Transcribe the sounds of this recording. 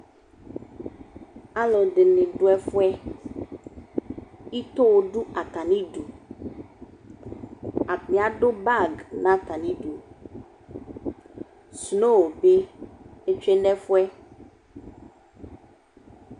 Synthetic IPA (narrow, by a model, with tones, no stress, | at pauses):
a˦lo˨ɖe˨nẽ˨ɖo˦ɛ˦fu˦ɛ˦ | i˦t̪o˦wo˦ɖu˦a˨t̪a˨nĩ˦ɖu˨ | a˨mĩ˨a˨ɖo˦ba˦˨ɡnã˦t̪a˨nĩ˦ɖu˨ | sno˦˨be˦e˦t͡ʃe˦nɛ˦fu˦ɛ˦